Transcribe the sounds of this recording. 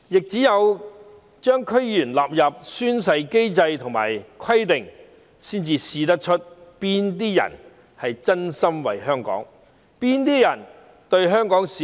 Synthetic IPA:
jɪ˨k̚t͡siː˨˥jɐ˨˧w | t͡ʃœː˥ŋkʰɵ˥ɥjyː˨˩nlaː˨p̚jɐ˨p̚syː˥ns̬ɐ˧jke˥jt͡sɐ˧jt̪ʰʊ˨˩ŋma̰ː˨˩jkʰɐ˥jt̪ɪ˨ŋ | siː˥nt͡siː˧siː˨˧t̪̬ɐ˥k̚t͡ʃʰɵ˥t̚piː˥nt̪̬iː˥jɐ̰˨˩n | hɐ˨jt͡sɐ˥nsɐ˥mwɐ̰˨˩jɦœː˥ŋkɔ̰ː˨˥ŋ | piː˥nt̪iː˥jɐ˨˩n | t̪ɵ˧ɥɦœː˥ŋkɔː˨˥ŋsi˨

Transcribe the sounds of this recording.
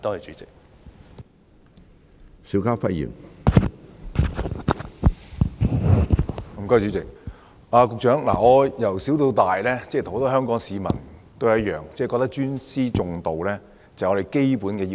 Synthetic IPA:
t̪o˥hɐ˨jt͡ʃyː˨˥t͡sɪ˨k̚ | si˨˥wkaː˥fɐ˥jḭː˨˩n | m̩˨˩kɔː˥˨˧t͡ʃyː˨˧˥t͡sɪ˨k̚ | ʔaː˧kʊ˨k̚t͡ʃœː˨˥ŋla̰ː˨˩ŋɔː˨˧jɐ˨˩wsi˨˥wt̪o˧wt̪aː˨jlɛː˥t͡sɛ˥˨t̪ʰho˨˥t̪ɔː˥ɦœː˥ŋkɔː˨˥ŋsiː˨˧mɐ̰˨˩nt̪o˥jjɐ˥t̚jœː˨ŋt͡sɛː˥˨kɔː˧k̚t̪ɐ˥k̚t͡ʃyː˥nsiː˥t͡ʃʊ˨˧ŋt̪o˨wlɛː˥ | t͡sɐ˨ɔ˨˧ɾe˨˩jke˥jpuː˨˥nkɛː˧ji˧

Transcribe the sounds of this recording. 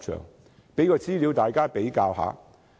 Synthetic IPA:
t͡ʃʰœ̰ː˨˩ŋ | pe˨˥jkɔː˧t͡siː˥liː˨˥wt̪aː˨jkaː˥pe˨˥jkaː˧wɦa̰ː˨˥

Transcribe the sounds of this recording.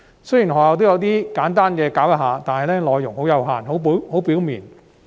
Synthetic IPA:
sɵ˥ji˨˩nɦɔː˨˩aː˨˧t̪o˥wjɐ˨˧wt̪̬iː˥kaː˨˥nt̪aː˥nkɛː˧kaː˨˥wjɐ˥ɦaː˨˧t̪aː˨nhɐ˨jlɛː˥lɔː˨˧jːʊ˨˩ŋɦo˨˥wjɐ˨˧wɦa̰ː˨˩nɦo˨˥who˨˥wpiː˨˥wmḭː˨n

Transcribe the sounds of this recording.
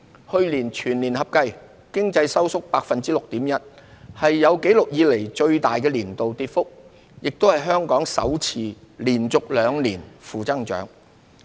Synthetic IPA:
hɵ˧ɥliː˨˩nt͡ʃʰyː˨˩nliː˨˩nhɐ˨p̚kɐ˧j | kɪ˥ŋt͡sɐ˧jsɐ˥wsʊ˥k̚paː˧k̚fɐ˨nt͡siː˥lʊ˨k̚t̪iː˨˥mjɐ˥t̚hɐ˨jːɐ˨˧wke˨˥jlʊ˨k̚jiː˨˧le˨˩jt͡ʃɵ˧ɥt̪aː˨jkɛː˧liː˨˩nt̪o˨wt̪iː˧t̚fʊ˥k̚ | jɪ˨k̚t̪o˥whɐ˨˩jɦœː˥ŋkɔː˨˥ŋsɐ̰˨˥wt͡sʰiː˨˩liː˨˩nt͡sʊ˨k̚lœː˨˧ŋliː˨˩nfuː˨˩t͡sɐ˥ŋt͡ʃœ̰ː˨˥ŋ

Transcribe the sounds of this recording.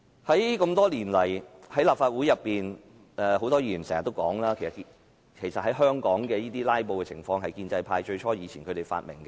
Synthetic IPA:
hɐ˨˥jkɐ˧mt̪ɔː˥liː˨˩nlɐ˨˩jhɐ˨˥jlaː˨pfaː˧t̚wuː˨˥jɐ˨pːiː˨n | ɛː˧ho˨˥wt̪ɔː˥jiː˧˩jiː˨˩sɛ̰ː˨˩ŋɐ˨t̪ːo˥wkɔː˨˥ŋlaː˥kʰe˨˩jsɐ˨tk | kʰe˨˩jsɐ˨t̚hɐ˨˥jɦœː˥ŋkɔː˨˥ŋkɛː˧jiː˥t̪iː˥laː˥jpo˧wkɛ˧t͡sʰɪ˨˩ŋfɔː˧ŋɦɐ˨jkiː˧nt͡sɐ˧jpʰaː˧jt͡ʃɵ˧ɥt͡ʃʰɔː˥jiː˨˧t͡sʰiː˨˩nkʰɵ˨˧t̪e˨˩fa̰ː˧t̚mɪ̰˨˩ŋkɛ˧

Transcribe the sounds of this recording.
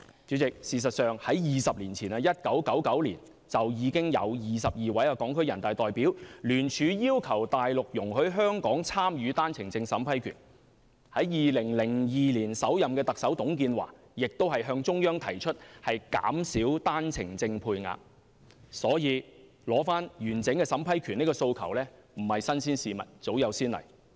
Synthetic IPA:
t͡syː˨˥t͡sɪ˨k̚siː˨s̬ɐ˨t̚sœː˨ŋhɐ˨˥jjiː˨sɐ˨p̚liː˨˩nt͡sʰiː˨˩nɐ˧jɐ˥t̚kɐ˨˥wkɐ˨˥wkɐ˨˥wliː˨˩n | t͡sɐ˨wjiː˨˧kɪ˥ŋjɐ̰˨˧wjiː˨˩sɐ˨p̚jiː˨wɐ˨˥jaː˧kɔː˨˥ŋkʰɵ˥ɥjɐ˨˩nt̪aː˨˩jt̪ɔː˨jpi˨˥wlyː˨˩nt͡ʃʰyː˨˧jiː˥wkʰɐ˨˩wt̪aː˨jlʊ˨k̚jʊ˨˩ŋɦɵ˨˥ɥɦœː˥ŋkɔː˨˥ŋt͡sʰaː˥mjyː˨˧t̪aː˥nt͡sʰɪ˨˩ŋt͡sɪ˧ŋsɐ˨˥mpʰɐ˥jkʰy̰ː˨˩n | hɐ˨˥jjiː˨lɪ˨˩ŋlɪ˨˩ŋjiː˨liː˨˩nsɐ˨˥wjɐ˨mkɛː˧t̪ɐ˨k̚sɐ˨˥wt̪ʊ˨˥ŋk̬iː˧nwa̰ː˨˩ | jɪ˨k̚t̪o˥whɐ˨jɦœː˧ŋt͡sʊ˥ŋjœː˥ŋt̪ʰɐ˨˩jt͡ʃʰɵ˥t̚hɐ˨jka̰ː˨˥msiː˨˥wt̪aː˥nt͡sʰɪ̰˨˩ŋt͡sɪ˧ŋpʰuː˧jŋa̰ː˧˨p̚ | sɔː˨˥jiː˨˧ | lɔː˨˥faː˥njyː˨˩nt͡sɪ˨˥ŋkɛː˧sɐ˨˥mpʰɐ˥jkʰyː˨˩ni˥kɔː˧so˧wkʰɐ˨˩wlɛː˥m̩˨˩hɐ˨jsɐ˥nsiː˥nsiː˨˧mɐ̰˨t̚t͡so˨˥wjɐ˨˧wsiː˥nlɐ̰˨˩j

